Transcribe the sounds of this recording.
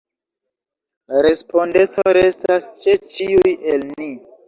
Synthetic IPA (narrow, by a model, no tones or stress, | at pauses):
ɾe̞spʰo̞nde̞t͡soɾe̞stast͡ʃe̞t͡ʃiujelni